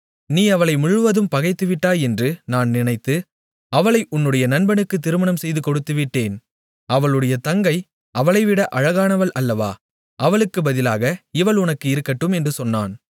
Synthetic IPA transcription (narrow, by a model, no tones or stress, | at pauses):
niːɐʋɐɭɐɪmʊɻɯʋɐðɯmpɐɣɐɪt̪ːɯʋɪʈːaːjɛndrɯnaːnnɪɳɐɪt̪ːɯ | ɐʋɐɭɐɪʔʊnːɯɽɐjɐnɐnbɐnɯkːɯt̪ːɪɾɯmɐɳɐmsɛjðɯkɔɽɯt̪ːɯʋɪʈːeːn | ɐʋɐɭɯɽɐjɐt̪ɐŋɡɐɪ | ʔɐʋɐɭɐɪʋɪɽɐʔɐɻɐɣaːnɐʋɐɭʔɐlːɐʋa̰ː | ʔɐʋɐɭɯkːɯbɐðɪlaːɣɐɪʋɐɭʊnɐkːɯɪɾɯkːɐʈːɯmɛndrɯsɔnːa̰ːn